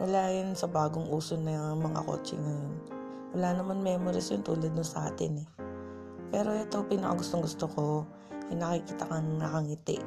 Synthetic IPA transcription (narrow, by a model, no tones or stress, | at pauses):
wʔɐlaːjʊnsɐbaːɡoŋʔuːsonɐjmɐŋa̰ko̰ːt͡ʃɪ̰ŋɐjon | wɐlaːnɐmanmɛːmoɾɪsjʊnt̪uːlɐd̪̚nʊnsɐʔaːt̪ɪnɛ | pɛːɾo̞ʔɛt̪o̞piːnɐkɐ̰ɡʊst̪oŋɡʊst̪oko̞ | ʔɐnɐkɪkiːt̪ɐkɐŋnɐkɐŋɪt̪ɪʔ